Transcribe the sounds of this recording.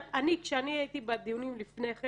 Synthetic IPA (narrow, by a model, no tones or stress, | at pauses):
anikʃeaniait̪ibad̪ijunimlifneχe